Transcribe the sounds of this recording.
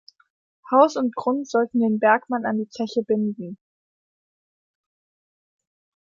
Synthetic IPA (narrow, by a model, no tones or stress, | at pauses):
haʊsʊnt̚ɡ̥ʁʊntz̥ɔltn̩deːnbɛɐkmanandiːt͡sɛçəbɪndn̩